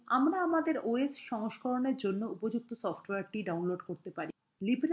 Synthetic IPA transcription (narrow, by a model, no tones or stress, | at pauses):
amɾaamad̪eɾoesʃɔŋoʃkɔɾoneɾd͡ʑonːoupod͡ʑuk̚t̪osɔfʈoweaɾʈiɖawnloɖkoɾt̪epaɾi | libɾ